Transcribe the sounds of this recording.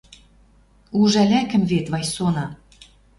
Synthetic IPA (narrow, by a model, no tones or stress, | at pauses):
uʒælʲækə̆mβet̪βɑjsonɑ